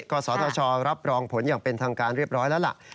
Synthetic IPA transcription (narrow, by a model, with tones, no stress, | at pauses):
kɔː˧sɔː˩˦t̪ʰɔː˧t͡ɕʰɔː˧ɾa˦˥p̚ɾɔː˧ŋpʰo˩˦njaː˨˩ŋpe˧nt̪ʰaː˧ŋkaː˧nɾi˥˩əp̚ɾɔː˦˥nlɛ˦˥la̰˩ʔ